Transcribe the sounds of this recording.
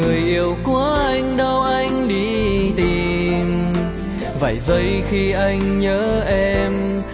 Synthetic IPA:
ɨ˨˩əjʔi˧əwku˧˩˦əʔa˧jŋ̟ɗə˧wʔa˧jŋ̟ɗi˧t̪i˨˩m | və̰˧˩jzə˧jxi˧ʔa˧jŋ̟ɲəː˨˦ʔɛ˧m

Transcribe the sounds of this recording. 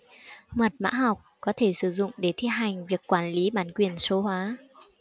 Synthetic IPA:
mə˨˩t̚ma̰ː˧˥ɦa˨˩wk͡p̚kɔ˨˦t̪ʰe˧˩sɨ˧˩zʊ̰˧˨ŋ͡mɗe˧˩t̪ʰi˧əɦa˨˩jŋ̟vi˨˩əkːwaː˧˩nli˨˦ɓaː˨˩nkwi˧˩ənso˨˦hwaː˨˦

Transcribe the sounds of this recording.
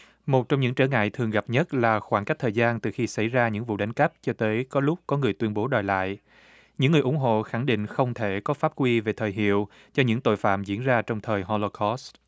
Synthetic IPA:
mo˨˩t̚t͡ɕɔ˧wŋ͡mɲɨ̰˧˥ŋt͡ɕəː˧˩ŋa̰ː˧˨jt̪ʰɨ˨˩əŋɣa˨˩p̚ɲə˦˥t̚laː˨˩xwaː˧˩ŋka˦˥k̚t̪ʰəː˨˩jzaː˧nt̪ɨ˨˩xi˧sa˧˩jzaː˧ɲɨ̰˧˥ŋvṵ˧˨ɗa˨˦ŋ̟kə˦˥p̚t͡ɕɔ˧t̪əː˨˦jkɔ˨˦lʊ˦˥k͡p̚kɔ˨˦ŋɨ˨˩əjt̪wi˧ənɓo˨˦ɗɔ˨˩jla̰ː˧˨j | ɲɨ̰˧˥ŋːɨ˨˩əʔʊ˧˩ŋ͡mɦo̰˧˨xa˧˩ŋɗḭ̈˧˨ŋ̟xə˧wŋ͡mt̪ʰe˧˩kɔ˨˦faː˦˥p̚kwi˧ve˨˩t̪ʰəː˨˩jɦḭ˧˨əw | t͡ɕɔ˧ɲɨ̰˧˥ŋt̪o̰˧˨jfa̰ː˧˨mzḭ˧˥ənzaː˧t͡ɕɔ˧wŋ͡mt̪ʰəː˨˩jɦo˧lo˧kʰɔ˦˥st

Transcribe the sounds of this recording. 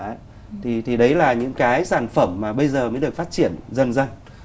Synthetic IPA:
t̪ʰi˨˩t̪ʰi˨˩ɗə˨˦jlaː˨˩ɲɨ̰˧˥ŋkaː˨˦jsaː˧˩nfə˧˩mːaː˨˩ɓə˧jzəː˨˩məː˨˦jɗɨ˨˩ək̚faː˦˥t̚t͡ɕḭ˧˩˨ənzə˧nzə˧n

